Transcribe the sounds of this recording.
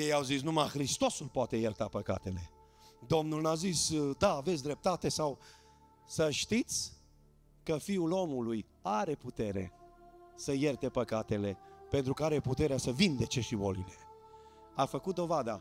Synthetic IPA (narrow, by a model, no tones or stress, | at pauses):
jejawzits̬numaxɾist̪o̞sulpoat̪e̞jərt̪apəka̰t̪e̞le̞̰ | d̪o̞mnulnazisd̪aːves̬ʲd̪ɾe̞p̚t̪at̪e̞saw | səʃt̪it̪sʲ | kəfiulo̞muluj | aɾe̞put̪e̞ɾe̞̰ | səjert̪e̞pəkat̪e̞le̞pe̞nt̪ɾukəaɾe̞put̪e̞ɾeasəvind̪e̞t͡ʃe̞ʃibo̞̰lḭle̞ | afəkut̪̚d̪o̞vad̪a